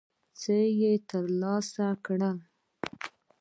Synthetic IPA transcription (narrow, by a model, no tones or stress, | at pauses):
t͡səjet̪əɾlɑsakɳə